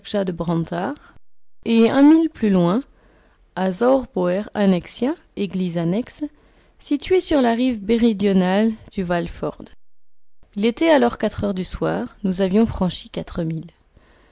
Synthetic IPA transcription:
kʒad̪əbʁɑ̃t̪aʁeɛ̃milplylwɛ̃ | azaʁbɔɛʁanɛksja | eɡlizanɛks | sit̪ɥesyʁlaʁivbeʁid̪jɔnald̪̥yvalfɔ̰ʁd̪ | ilet̪ɛalɔʁkat̪χœʁd̪yswaːʁnuzavjɔ̃fχɑ̃ʃikat̪χəmil

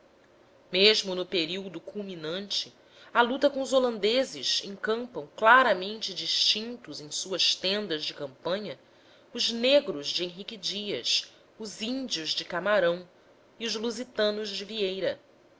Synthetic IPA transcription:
meʒmʊnʊpeɾiwd̪ʊkulminɐ̃nt͡ʃɪ | ɐlut̪ɐkõʊzolɐ̃nd̪ezɪʃẽŋkɐ̃mpɐ̃w̃klaɾɐmẽnt͡ʃɪd͡ʒiʃt͡ʃĩnt̪ʊzẽj̃suɐʃt̪ẽnd̪ɐzd͡ʒɪkɐ̃mpɐ̃ɲɐ | ʊzneɡɾʊzd͡ʒɪẽɦikid͡ʒiɐ̰s | ʊzĩnd͡ʒiʊzd͡ʒɪkamaɾɐ̃w̃ | iʊʒluzit̪ɐ̃nʊʒd͡ʒɪviejɾɐ

